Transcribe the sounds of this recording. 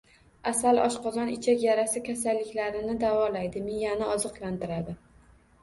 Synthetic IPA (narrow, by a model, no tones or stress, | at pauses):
asalɒʃqɒzɒnɪt͡ʃʰakʲjaɾasɪkʲʰasalːɪkʲlaɾɪnɪd̪avɒlajd̪ɪmɪjanaɒzɨqlˠant̪ɪɾad̪ɪ